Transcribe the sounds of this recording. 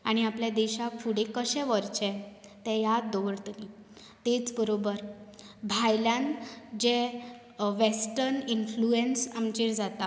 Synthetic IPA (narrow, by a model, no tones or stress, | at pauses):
aɽ̃iapljad̪eɕafuɽekəɕɛ̃ʋəɾt͡ɕɛ̃t̪ɛ̃jad̪oʋəɾt̪ni | t̪et͡sbəɾobəɾ | bʱajljãnd͡ʑe | ʋesʈəɾninfluensamt͡ɕeɾd͡zat̪a